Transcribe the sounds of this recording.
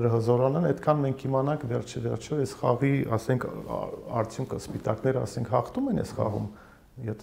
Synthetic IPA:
ɾəɦəzɔɾɑnɛnɛt̪kʰɑnmɛŋkʰimɑnɑŋkʰvɛrt͡ʃʰəvɛrt͡ʃʰɔɛsχɑʁiɑsɛŋkʰɑ̰ɾt͡sʰjuŋkʰəspit̪ɑknɛɾəɑ̰sɛŋkʰhɑχt̪umɛnɛ̰sχɑ̰ʁṵm | jɛ

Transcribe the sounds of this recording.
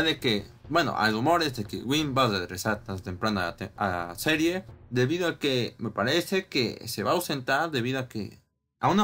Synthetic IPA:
aðekebwe̞no̰ʔa̰jɾumo̞ɾezðekḛɣwimbaðeðɾesaɾt̪ast̪empɾand̪a̰t̪ea̰se̞ɾje̞ðe̞βiðoakeme̞paɾese̞kḛse̞βaːwse̞nt̪aɾðe̞βiðoakḛ | a̰una

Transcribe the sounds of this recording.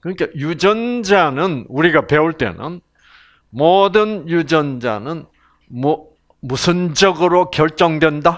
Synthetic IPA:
kɯɲik͈ajud͡ʑʌnd͡ʑanɯnuɾiɡape̞uɭt͈e̞̰nɯ̰n | mʌdɯnjud͡ʑʌnd͡ʑa̰nɯn | m | musʰɯnd͡ʑʌɡɯɾokjʌɭt͡ɕ͈ʌŋdwe̞nda

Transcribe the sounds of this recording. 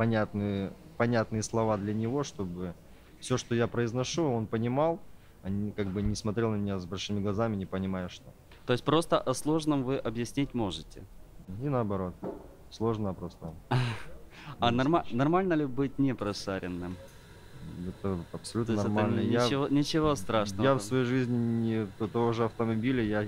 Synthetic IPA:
pɐnʲat̪nɨjəpɐnʲat̪nɨjəslˠɐvad̪lʲɐnʲɪvo̞ʂt̪o̞bɨ | fsʲo̞ʂt̪ojapɾəɪznɐʂuo̞npənʲɪmalˠ | ɐnʲkaɡ̚bɨnʲɪsmɐt̪ɾʲelˠnəmʲɪnʲazbɐlʲʂɨmʲɪɡlˠɐzamʲɪnʲɪpənʲɪmajʊʂt̪o̞ | t̪oɪs̚ʲpɾo̞st̪əʔɐslˠo̞ʐnəmvɨʔɐbjɪsʲnʲitʲmo̞ʐɨtʲɪinəɐbɐɾo̞t̪̚ | slˠo̞ʐnəɐpɾo̞st̪ə | ɐnɐrmanɐrmalʲnəlʲɪbɨt̚ʲnʲɪpɾɐʂaɾʲɪnːɨm | ɛt̪əɐpsɐlʲut̪ənɐmalnəaɪonʲɪt͡ɕɪvo̞st̪ɾaʂnəjafsvɐjejʐɨzʲnʲɪnʲɪt̪t̪ɐvoʐɨɐft̪əmɐbʲilʲɪja

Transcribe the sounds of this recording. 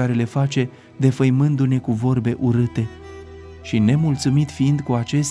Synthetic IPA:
aɾe̞le̞fat͡ʃe̞ | d̪e̞fəjmɨnd̪une̞kuvo̞rbe̞ʔuɾɨt̪e̞ | ʃine̞mult̪sumit̪fiind̪kuat͡ʃe̞s

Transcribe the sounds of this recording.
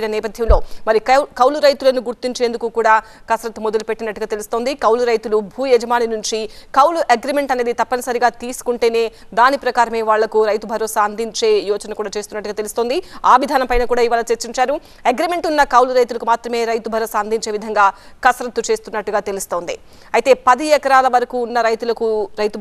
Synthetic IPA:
nɐnɛːpɐd̪ʱjɐmlo̞ːmɐɾikɐwluɾɐjt̪ulɐnuɡuɾt̪iɲt͡ʃe̞ːnd̪ukukuːɽaː | kɐsɾɐt̪umod̪ɐlupe̞ʈːinɐʈːuɡaːt̪e̞lust̪o̞ːnd̪ikɐwluɾɐjt̪ulubʱuːjɛd͡ʒɐmaːninuɲt͡ʃikɐwluʔeɡɾime̞ɳʈɐneːd̪it̪ɐpːɐnɐsɐɾiɡaːt̪iːsu̥kuɳʈe̞ːne̞ː | d̪aːnipɾɐkaːɾɐme̞ːʋaːɭːɐkuɾɐjt̪ubʱɐɾɔːsaːɐnd̪iɲt͡ʃe̞ːjɔːt͡ʃɐnɐkuːɽaːt͡ʃe̞ːst̪unːɐʈːuɡaːt̪elust̪oːnd̪iaːʋid̪ʱaːnɐmpɐjnɐkuːɽaːiʋaːlɐt͡ʃeɾt͡ʃiɲt͡ʃaːɾu | eɡɾime̞ɳʈunːɐkɐwluɾɐjt̪̬ulɐkumaːt̪ɾɐme̞ːɾɐjt̪ubʱɐɾɔːsaːnd̪iɲt͡ʃeːʋid̪ʱɐŋɡaːkɐsɾɐt̪ut͡ʃe̞ːst̪unːɐʈːuɡaːt̪e̞lust̪o̞ːnd̪ḭ | ɐjit̪e̞ːpɐd̪iɛkɐɾaːlɐʋɐɾɐkuːnːɐɾɐjt̪ulɐkuɾɐjt̪u

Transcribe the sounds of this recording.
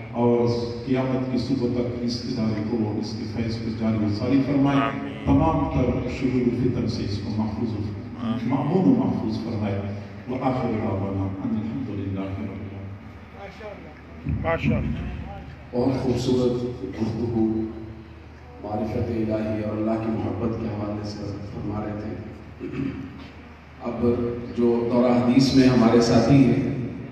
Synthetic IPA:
ɔːɾqɪjaːmət̪kesʊbət̪ɐkɪsɪd̪aːɾet̪oɪskefɛːspɐd͡ʒaːɾiesaːɾifɐɾmaːe | t̪ɐmaːmt̪ɐɾʃʊɾuːɾʊlfɪt̪əmseɪskomɐħfuːz | mɐmuːnomɐhfuːzfɐɾmaːe | ʋɐʔaːxɪɾɦaːbaːnaʕanɪlħɐmd̪ʊlɪlːaːɦɪɾɐbɪjaː | bɔːʊt̪xuːbsuːɾət̪ɡʊft̪ʊɡuː | mʊaːɾɪfət̪eɪlaːɦiɔːɾɐlːaɦkimʊɦəbːət̪keɦɐʋaːlesefɐɾmaːɾeet̪ʰeː | ɐbd͡ʒoːt̪ɔːɾaɦɐd̪iːsmẽɦɐmaːɾesaːt̪ʰiɦɛː

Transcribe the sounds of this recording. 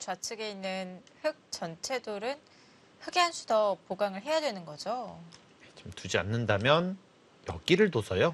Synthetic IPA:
t͡ɕwat͡ɕʰɯɡe̞inːɯnhɯk̚t͡ɕ͈ʌnt͡ɕʰe̞doɾɯn | ɸɯɡeɦansʰudʌpoɡaŋɯɭɦe̞jadwenɯnɡʌd͡ʑo | jet͡ɕomtud͡ʑia̰nːɯndamjʌn | jʌk͈iɾɯɭtosʰʌjo

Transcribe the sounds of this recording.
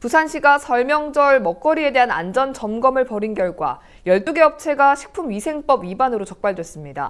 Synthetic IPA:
pusʰanɕʰiɡasʰʌɭmjʌŋd͡ʑʌɭmʌk͈̚ʌɾie̞de̞ɦana̰nd͡ʑʌnt͡ɕʌmɡʌmɯɭpʌɾinɡjʌɭɡwa̰ | jʌɭt͈uɡe̞ʌp̚t͡ɕʰe̞ɡaɕʰi̥k̚pʰumɥisʰe̞ŋp͈ʌbɥibanɯɾot͡ɕʌk̚p͈aɭdwe̞s͈ɯmɲida̰

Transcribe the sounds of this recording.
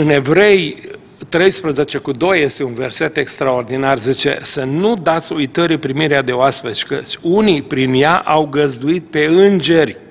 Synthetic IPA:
ɨne̞vɾe̞j | t̪ɾe̞jspɾəze̞t͡ʃe̞kud̪o̞je̞st̪e̞unve̞rse̞t̪e̞kst̪ɾao̞rd̪inarzit͡ʃe̞̰sənud̪at̪sʲujt̪əɾipɾimiɾead̪e̞oaspet͡ʃʲkət͡ʃʲunipɾinjaʔawɡəzd̪uit̪̚pe̞ɨnd͡ʒe̞rʲ

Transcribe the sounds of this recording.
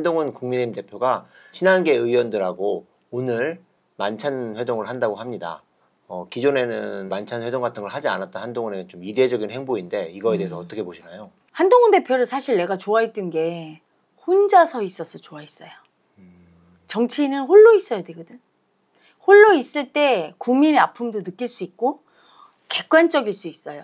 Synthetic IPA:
ndoŋɯnkuŋmine̞imde̞pʰjoɡa | ɕʰinanɡe̞ɯjwʌndɯɾɦaɡo | onɯɾ | mant͡ɕʰanɸwe̞doŋɯɭɦandaɡoɦamɲida̰ | ʌkid͡ʑone̞nɯnmant͡ɕʰanɸwe̞doŋɡatʰɯŋɡɯɭɦad͡ʑia̰nat͈̚ʌnhandoŋʌneɯt͡ɕomided͡ʑʌɡinhe̞ŋboinde̞iɡʌe̞de̞esʰʌːt͈ʌkʰe̞boɕʰinajo | handoŋʌnde̞pʰjoɾɯsʰaɕʰiɭne̞ɡat͡ɕoait͈ɯnɡe̞ | hond͡ʑasʰʌis͈ʌsʰʌt͡ɕoais͈ʌjo | t͡ɕʌŋt͡ɕʰiːnɯnɸoɭːois͈ʌjodeɡɯdɯn | hoɭːois͈ɯɭt͈e̞kuŋmineapʰumdonɯk͈iɭs͈uik̚k͈o | ke̞k͈want͡ɕ͈ʌɡiɭs͈uis͈ʌjo

